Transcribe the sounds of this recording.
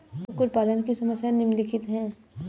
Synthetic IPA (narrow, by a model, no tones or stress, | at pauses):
kʊɾpaːlənkisɐməsjanɪmlɪkʰɪt̪ɦɛ̃ː